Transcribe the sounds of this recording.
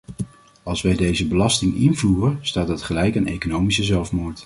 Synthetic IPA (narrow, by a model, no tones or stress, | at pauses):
ɑlˠsʋɛjdejzəbəlɑstɪŋɪnvuːrənstaːt̚dɑtχəlɛjkənejkonowmisəzɛlˠfmoːɹt